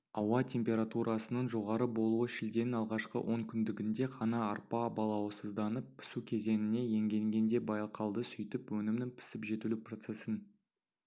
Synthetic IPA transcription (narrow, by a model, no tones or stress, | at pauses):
ɑwɑt̪ʲʰe̞mpʲe̞ɾat̪uɾʔɑsənəɴʒo̞ʁɑɾəbo̞lˠuəʃɪld̪e̞nɪnɑlˠʁɑʃqə̰wʔo̞ŋkʲʰʏnd̪ɪɡʲɪnd̪e̞qʰɑnɑːɾpɑbɑlˠɑwəsəzd̪ɑnəpʰːɪ̥sukʲʰe̞ze̞nɪne̞je̞ŋɡʲe̞ŋɡʲe̞nd̪e̞bɑjqɑlˠd̪əsʏjt̪ɪpwɵnɪmnɪŋpʰɪ̥sɪpʒe̞t̪ulupro̞t̪se̞sɪn